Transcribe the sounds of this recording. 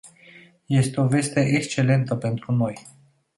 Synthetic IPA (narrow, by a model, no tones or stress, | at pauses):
je̞st̪eo̞ve̞st̪eʔekst͡ʃe̞le̞nt̪əpe̞nt̪ɾuno̞j